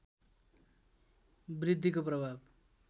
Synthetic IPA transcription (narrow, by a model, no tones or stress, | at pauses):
brid̪ʱːikoprʌbʱab